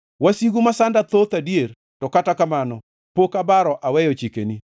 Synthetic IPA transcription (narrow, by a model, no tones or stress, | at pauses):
wasiɡumasandat̪ot̪adieɾ | tɔkatakamanɔ | pokabaɾɔʔawɛjɔt͡ʃikeni